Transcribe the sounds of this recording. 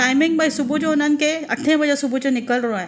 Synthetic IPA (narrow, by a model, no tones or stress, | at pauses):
ʈaːɪmɪ̃ŋɡ̚baisʊbud͡ʒonənkeɐ̰ʈʰːẽbɐd͡ʒesʊbut͡ʃonɪkəlɾoɛ̃ː